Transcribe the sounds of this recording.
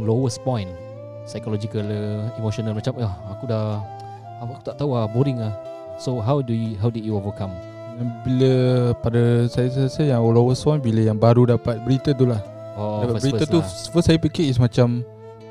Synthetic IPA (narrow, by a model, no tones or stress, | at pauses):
lowəspɔ̃jn | sajkolod͡ʒikələimoʃonəlmat͡ʃamaakuda | aaku̥t̪aʔt̪auahboɾiŋah | soɦawdujɦawdidjuovəkãm | anbiləpadəsajəsajasəjaŋolowəspɔjnbiləjaŋbaɾudapat̪̚bəɾit̪ət̪ulah | ɔbabəɾit̪ət̪usfəssajəpikiʔɪsmãt͡ʃam